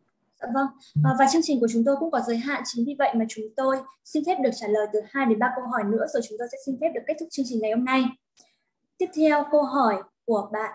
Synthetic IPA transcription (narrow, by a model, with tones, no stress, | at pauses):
a̰˧˨və˧ŋː˨˩ | vaː˨˩t͡ɕəŋt͡ɕi˨˩ŋ̟ku˧˩ət͡ɕʊ˨˦ŋ͡mt̪o˧jkʊ̰˧˥ŋ͡mkɔ˨˦zəː˨˦jɦa̰ː˧˨t͡ɕi˨˦ŋvi˧˩və̰˧˨jmaː˨˩t͡ɕʊ˨˦ŋ͡mt̪o˧jsi˧nt̪e˦˥p̚ɗək̚t͡ɕaː˧˩ləː˨˩jt̪ɨ˨˩haː˧jɗe˨˦nɓaː˧kə˧wɦɔ˧˩jnɨ̰˧˥əzo˨˩jt͡ɕʊ˨˦ŋ͡mt̪o˧jsɛ̰˧˥si˧nt̪ʰe˦˥p̚ɨ˨˩kːk̪̚ʰʊ˦˥t͡ɕɨ˧əŋt͡ɕï˨˩ŋ̟ːa˨˩jho˧mna˧j | t̪i˦˥əp̚t̪ʰɛ˧wkə˧wɦɔ˧˩jku˧˩əɓa̰ː˧˨n